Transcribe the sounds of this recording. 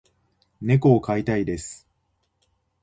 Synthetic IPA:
ne̞ko̞ːkait̪aid̪e̞sɨ̥

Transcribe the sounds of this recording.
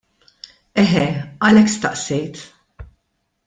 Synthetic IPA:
ɛɦɛɐlɛkːst̪ɐʔsɛjt̪

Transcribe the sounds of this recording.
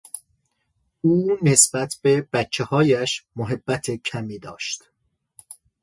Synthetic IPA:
uːne̞sbæt̪ʰb̥e̞b̥æt̪ːt͡ʃʰːehɒːjæʃmoɦe̞bːæt̪ʰe̞cʰæmiːd̪ɒːʃt̪

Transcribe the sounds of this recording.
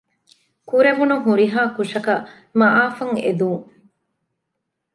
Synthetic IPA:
kuɾeʋunuɦuɾiɦaːkuʂɐkɐ | mɐʔaːfɐŋḛd̪uːŋ

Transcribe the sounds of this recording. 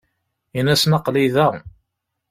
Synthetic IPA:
inæsnɑqliðæ

